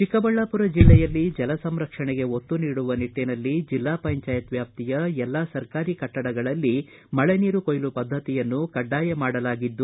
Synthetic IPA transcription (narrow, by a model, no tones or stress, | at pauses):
t͡ʃikɐbɐɭːaːpuɾɐd͡ʒilːɛjɐlːid͡ʒɛlɐsɐmɾɐkʂɐɳeɡe̞ɦot̪ːuniːɽuʋɐniʈːinɐlːid͡ʒilːaːpɐɲt͡ʃaːjɐt̪ʋjaːp̚t̪ijɐɛlːaːsɐɾkaːɾikɐʈːɐɽɐɡɐɭɐlːi | mɐɭeniːɾukojlupɐd̪ʱːɐt̪ijɐnːukɐɖːaːjemaːɽɐlaːɡid̪ːu